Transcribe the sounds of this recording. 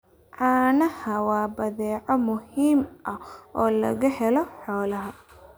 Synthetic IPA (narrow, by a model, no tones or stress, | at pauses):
ʕɑːnɐhɐwɑːbɐðɛːʕɔmʊhiːmʔɐʔɔːlɐ̰ɣɐhɛlɔħɔːlɐɦɐ